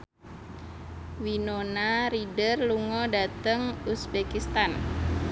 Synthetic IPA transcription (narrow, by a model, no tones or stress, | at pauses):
winonaɾidərluŋɔdat̪əŋusbekist̪an